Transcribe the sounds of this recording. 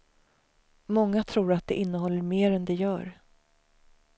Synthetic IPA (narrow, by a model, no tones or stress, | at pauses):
mɔŋːat̪ʰɾuːɾat̪̚d̪ɛʔɪnːəɦɔlːəɾmeːɾɛnd̪ɛjœːɾ